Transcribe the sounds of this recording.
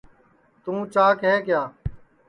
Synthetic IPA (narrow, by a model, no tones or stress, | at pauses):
t̪ũːt͡ʃaːkɦeːkɪjaː